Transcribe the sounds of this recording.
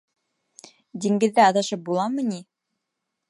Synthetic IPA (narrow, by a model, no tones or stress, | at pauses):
d̪iŋɡɘ̆ðːɘɑðɑʃɤp̚bulˠɑmɤni